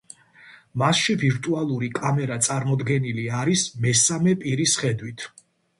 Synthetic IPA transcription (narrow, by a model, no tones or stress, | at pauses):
masʃiviɾt̪ʼualˠuɾikʼamɛɾat̪sʼaɾmɔd̪ɡɛniliaɾismɛsamɛpʼiɾisχɛd̪wit̪ʰ